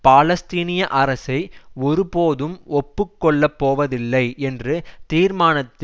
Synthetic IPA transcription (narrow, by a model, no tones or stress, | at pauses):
paːlɐst̪iːnɪjɐʔɐɾɐsɐɪɔɾɯpoːðɯmɔpːɯkːɔɭːɐpːoːʋɐðɪlːɐɪɛndrɯt̪iːɾmaːnɐt̪ː